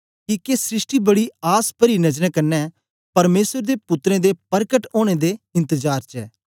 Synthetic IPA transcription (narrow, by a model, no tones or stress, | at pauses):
kiːkesɾɪsʈiːbəɽiːaːspəɾiːnəd͡ʒnɛ̃ːkənːɛː | pɐɾmeːsəɾd̪eːpʊt̪ɾẽːd̪eːpəɾkəʈoːɽ̃eːd̪eːɪ̃nt̪əd͡ʒaːɾt͡ʃɛ̰ː